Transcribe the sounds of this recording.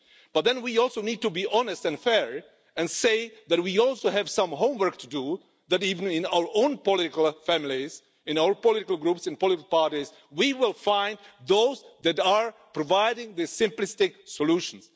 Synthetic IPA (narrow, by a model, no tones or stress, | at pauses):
b̥ʌt̪̚ðɛ̃nwiɔlˠsoʊnid̚tubiʔɑnɨstɨ̃nfɛɹ | ɛ̃nseɪðæt̚wiɔlˠsoʊɦæv̥sʌ̃mɦõʊ̃mwɜ˞k̚tʰudu | ðætiṽnɪ̃naʊwə˞ʔõʊ̃npɔlɪɾɪkəl̩ˠfæmliz | ɨ̃naʊə˞pɔlɪɾɪkəl̩ˠɡɹupsɨ̃npɔlɪɾɪkl̩ˠpaɹɾiz | wiwɪlˠfãɪ̃ndðoʊzðɨtəɹpɹɔvaɪɾɪ̃ŋðɨsɪ̃mplɪstɪksɔluʃə̃n̩s